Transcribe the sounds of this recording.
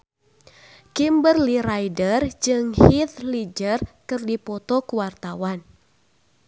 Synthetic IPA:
kimbərliɾajdərd͡ʒɨŋhit̪lid͡ʒərkɨrdipɔt̪ɔkuwart̪awan

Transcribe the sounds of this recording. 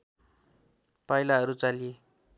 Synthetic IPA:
pajlaɦʌɾut͡salie

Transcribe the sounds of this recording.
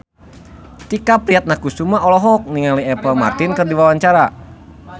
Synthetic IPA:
t̪ikapɾiat̪̚nakustumaʔɔlɔɦɔk̚niŋaliɛpəlma̰rt̪inkərdiwawaɲt͡ʃaɾa

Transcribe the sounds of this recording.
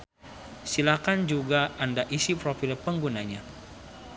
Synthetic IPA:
silakand͡ʒuɡaʔandaʔisipɾofilpəŋɡunaɲa

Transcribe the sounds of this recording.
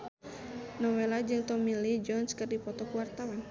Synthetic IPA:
nɔwelad͡ʒɨŋt̪ɔmilid͡ʒɔnskɨrdipɔt̪ɔkuwart̪awan

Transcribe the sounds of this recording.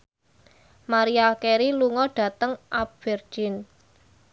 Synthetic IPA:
maɾiakeɾiluŋɔɖ̥a̤t̪əŋʔap̚v̥ɛr̥d͡ʒ̥ɪn

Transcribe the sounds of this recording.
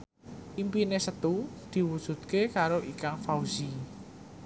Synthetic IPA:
ʔimpinesət̪ud̪̥i̤wud̥ʒ̥ṳt̪̚kekaɾoʔikaŋfauz̥i

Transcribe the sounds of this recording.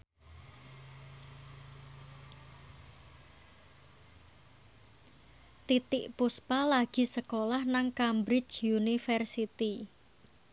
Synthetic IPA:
t̪it̪ɪʔpuspalaɡ̥i̤səkolahnaŋkambɾɪt͡ʃjunifɛrsit̪i

